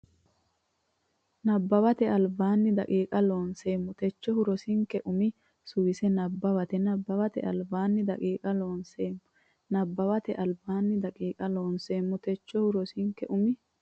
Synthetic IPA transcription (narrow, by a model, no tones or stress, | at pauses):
nɐbːɐbɐt̪ɛɐlbaːnːɪd̪ɐ̰kʼiːkʼɐloːnse̞ːmːʊt̪ɛt͡ʃːɔhʊɾɔsɪŋkɛʔʊmɪ | sʊwɪsɛnɐbːɐβɐt̪ɛnɐbːɐbɐt̪ɛ̰ʔɐ̰lbaːnːɪd̪ɐkʼiːkʼɐloːnseːmːʊ | nɐbːɐbɐt̪ɛʔɐlbaːnːɪd̪ɐkʼiːkʼɐlo̞ːnse̞ːmːʊt̪ɛt͡ʃːɔhʊɾɔsɪŋkːɛʔʊmɪ